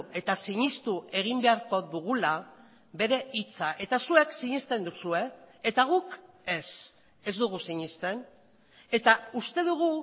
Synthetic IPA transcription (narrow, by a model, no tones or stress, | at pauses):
e̞t̪asiɲist̪ue̞ɣ̞imbe̞aɾko̞ðuɣ̞ula | be̞ɾe̞ʔit͡saʔe̞t̪asue̞ksiɲist̪e̞nd̪usue̞ːt̪aɣ̞uk | e̞s | e̞zd̪uɣusiɲist̪e̞n | e̞t̪aust̪e̞ðuɣu